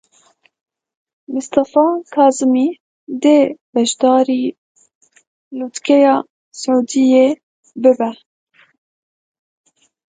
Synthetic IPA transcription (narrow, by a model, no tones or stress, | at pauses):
mʊst̪ɑfɑːkʰɑːzɨmiː | d̪eːbɛʃd̪ɑːɾiː | luːt̪kɛjɑː | sʕuːd̪ijeː | bɨbɛ